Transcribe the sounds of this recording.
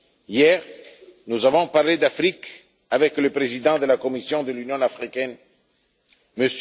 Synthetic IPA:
ijɛʁnuzavɔ̃paʁled̪afʁik | avɛkləpʁezid̪ɑ̃d̪əlakomisjɔ̃d̪əlynjɔ̃afʁikɛn | məs

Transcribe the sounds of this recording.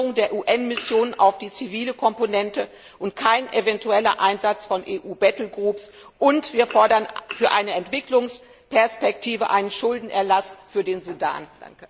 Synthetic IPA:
ʁʊŋdeːɐʔuːʔɛnmɪsjoːnənʔa̰ʊfd̥iːt͡siviːləkʰɔmponɛntə | ʔʊntkʰaɪnʔevɛntuɛlɐ̰ʔaɪnzat͡sfɔnʔeːʔuːbɛtl̩ɡʁuːps | ʔʊntv̥iːɐfɔɐdɐnfyːɐʔaɪnəɛntv̥ɪklʊŋs | pɛɐspɛk̚tʰiːvə̰ʔaɪnənʃʊldn̩ʔɛɐlasfyːɐdeːnzuda̰ːnd̥a̰ŋkə

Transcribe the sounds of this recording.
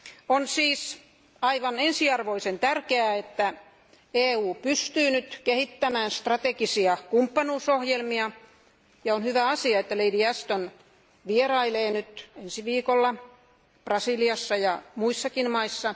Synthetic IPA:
onsiːs | ɑiʋɑnensiɑrʋoisent̪ærkeæet̪ːæ | eːuːpyst̪yːnyt̪kehit̪ːæmæːnst̪rɑt̪ekisiɑkumpːɑnuːsohjelmiɑ | jɑonhyʋæɑsiɑet̪ːæleidiæst̪on | ʋierɑileːnyt̪ensiʋiːkolːɑ | prɑsiliɑsːɑjɑmuisːɑkinmɑisːɑ

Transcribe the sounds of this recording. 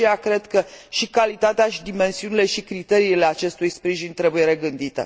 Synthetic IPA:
iakɾe̞d̪kəʃikalit̪at̪eaʃid̪ime̞nsiunile̞ʃikɾit̪e̞ɾiːle̞at͡ʃe̞st̪ujspɾiʒinʲt̪ɾe̞buje̞ɾe̞ɡɨnd̪it̪ḛ

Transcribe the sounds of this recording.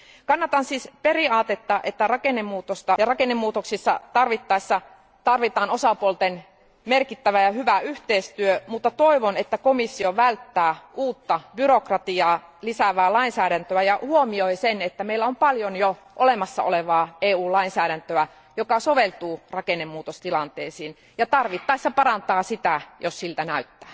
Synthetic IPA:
kɑnːɑt̪ɑnsiːsperiɑːt̪et̪ːɑʔet̪ːærɑkenːemːuːt̪ost̪ɑjɑrɑkenːemːuːt̪oksisːɑ̰t̪ɑrʋit̪ːɑisːɑ | t̪ɑrʋit̪ɑːnosɑpuolt̪en | merkit̪ːæʋæjɑhyʋæyht̪eist̪yømut̪ːɑt̪oiʋonet̪ːækomisːioʋælt̪ːæːʔuːt̪ːɑbyrokrɑt̪iɑːlisæʋæːlɑinsæːɾænt̪øæjɑhuomioisenet̪ːæmeilːæompɑljonjo | ʔolemɑsːɑ̰o̰leʋɑːeːuːlɑinsæːɾænt̪øæ | jokɑsoʋelt̪uːrɑkenemːuːt̪ost̪ilɑnt̪eːsiːn | jɑt̪ɑrʋit̪ːɑisːɑpɑrɑnt̪ɑːsit̪æjossilt̪ænæyt̪ːæː

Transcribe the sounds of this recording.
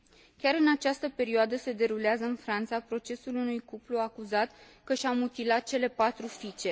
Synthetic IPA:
kʲaɾɨnat͡ʃast̪əpe̞ɾioad̪əse̞d̪e̞ɾuleazəɨnfɾant̪sapɾo̞t͡ʃe̞sulunujkupluakuzat̪ | kəʃamut̪ilat̪̚t͡ʃe̞le̞pat̪ɾufit͡ʃe̞

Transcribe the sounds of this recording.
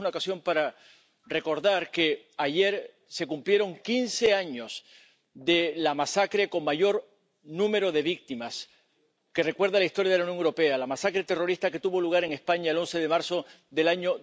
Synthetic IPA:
unaokasjo̞mpaɾa | re̞ko̞ɾðaɾke̞ | aʝe̞ɾ | se̞kumplje̞ɾo̞ŋkinse̞aɲo̞s | d̪e̞lamasakɾe̞ko̞ŋmaʝo̞ɾ | nũme̞ɾo̞ðe̞βik̚t̪imas | ke̞re̞kwe̞ɾðalaist̪o̞ɾjaðelaunjo̞ŋewɾope̞alamasakɾe̞t̪e̞ro̞ɾist̪ake̞t̪uβo̞luɣ̞aɾe̞ŋe̞spaɲaelo̞nse̞ðe̞maɾso̞ | ðe̞laɲo

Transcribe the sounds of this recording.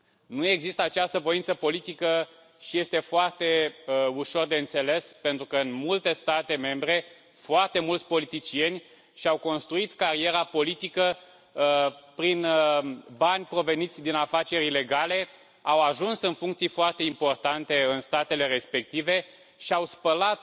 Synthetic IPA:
nue̞ɡzist̪əat͡ʃast̪əvo̞int̪səpo̞lit̪ikə | ʃije̞st̪e̞foart̪e̞uʃo̞rd̪e̞ɨnt̪se̞le̞spe̞nt̪ɾukəɨnmult̪e̞st̪at̪e̞me̞mbɾe̞ | foart̪e̞mult̪sʲpo̞lit̪it͡ʃie̞nʲ | ʃiawko̞nst̪ɾuit̪kaɾie̞ɾapo̞lit̪ikə | pɾin | banʲpɾo̞ve̞nit̪sʲd̪inafat͡ʃe̞ɾʲile̞ɡale̞ | awaʒunsɨnfuŋkt̪sijfoart̪e̞impo̞rt̪ant̪e̞ɨnst̪at̪e̞le̞ɾe̞spe̞k̚t̪ive̞ | ʃiawspəlat̪̚

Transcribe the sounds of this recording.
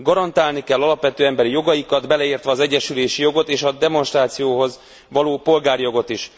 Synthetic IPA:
ɡɒɾɒnt̪aːlnikɛlːɒlɒpʋɛt̪øːɛmbɛɾijo̞ɡɒjikɒd̪bɛlɛiːrt̪ʋɛːzɛɟːɛʃyleːʃijo̞ɡo̞t̪eːʃɒd̪ɛmo̞nʃt̪raːt̪sijoːɦo̞z | ʋɒloːpo̞lɡaːrjo̞ɡo̞t̪iʃ

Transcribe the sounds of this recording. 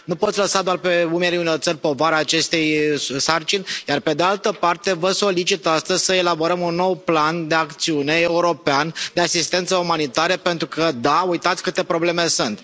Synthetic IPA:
nupo̞t̪sʲləsad̪oarpe̞umeɾeunort̪sərʲpo̞vaɾaːt͡ʃe̞st̪e̞jsart͡ʃinʲjarpe̞d̪ealt̪əpart̪e̞vəso̞lit͡ʃit̪ast̪əzʲsəe̞labo̞ɾəmunːo̞wpland̪e̞akt̪siune̞euɾo̞peand̪easist̪e̞nt̪səumanit̪aɾəpe̞nt̪ɾukəd̪aujt̪at̪sʲkɨt̪e̞pɾo̞ble̞me̞sunt̪

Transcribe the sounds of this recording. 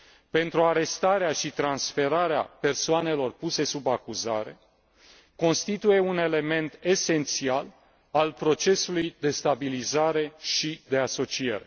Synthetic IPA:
pe̞nt̪ɾuaɾe̞st̪aɾeaʃit̪ɾansfe̞ɾaɾea̰pe̞rsoane̞lo̞rpuse̞subakuza̰ɾe̞ | ko̞nst̪it̪uje̞une̞le̞me̞nt̪e̞se̞nt̪sial | alpɾo̞t͡ʃe̞sulujd̪e̞st̪abilizaɾe̞ʃid̪e̞aso̞t͡ʃie̞̰ɾe̞

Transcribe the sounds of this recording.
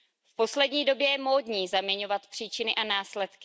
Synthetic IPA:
fpo̞slɛdɲiːdo̞bjɛjɛmoːdɲiːzamɲɛɲo̞vat̪pr̥iːt͡ʃɪnɪʔanaːslɛt̪kɪ

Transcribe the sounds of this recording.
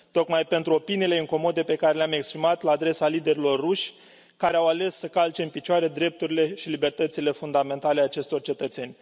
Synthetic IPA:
t̪o̞kmajpe̞nt̪ɾuo̞piniːle̞ɨŋko̞mo̞d̪epe̞kaɾe̞leame̞kspɾimat̪laːd̪ɾe̞salid̪e̞ɾilo̞rːuʃʲ | kaɾeawale̞sːəkalt͡ʃeɨmpit͡ʃoaɾed̪ɾe̞p̚t̪uɾile̞ʃilibe̞rt̪ət̪sile̞fund̪ame̞nt̪aleat͡ʃe̞st̪o̞rt͡ʃe̞t̪ət̪senʲ

